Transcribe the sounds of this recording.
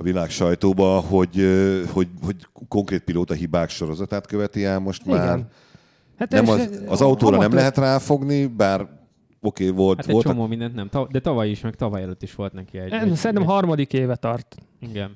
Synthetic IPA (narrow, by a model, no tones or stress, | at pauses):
ɒvilaːkʃɒjt̪oːbɒho̞ɟøho̞ɟho̞ɟkoŋkreːt̪̚piloːt̪ɒɦibaːkʃo̞ɾo̞zɒt̪aːt̪køvɛt̪iaːmo̞ʃt̪maːr | hat̪nɛmɒɒzɒut̪oːɾɒnɛmlɛɦɛt̪raːfo̞ɡnibaːr | okeːvo̞ltaɛolt͡ʃomoːmind̪ɛnt̪nɛmt̪ɒd̪ɛt̪ɒvɒjiʃmɛkt̪ɒvɒjɛløt̪ːiʃʋo̞lt̪nɛkiɛɟsɛɾinɛmmɦɒrmɒd̪ikeːvɛt̪ɒrt̪iɡɛn